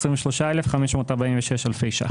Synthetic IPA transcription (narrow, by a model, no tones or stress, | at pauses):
sʁiɱveʃloʃaelefχameʃmoːtaʁbaĩɱveʃeʃalfejʃa̰